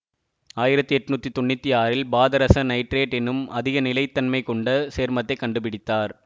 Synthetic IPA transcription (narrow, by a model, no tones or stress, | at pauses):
aːjɪɾɐt̪ːɯɛʈːɯnuːt̪ːit̪ːɔɳːɪt̪ːiaːɾɪlbaːðɐɾɐsɐnɐɪʈɾeːʈɛnːɯmɐðɪɣɐnɪlɐɪt̪ːɐnmɐɪkɔɳɖɐseːɾmɐt̪ːɐɪkːɐɳɖɯpɪɽɪt̪ːaːɾ